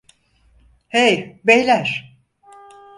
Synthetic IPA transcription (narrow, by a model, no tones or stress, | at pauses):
hejbejlʲæɾ̥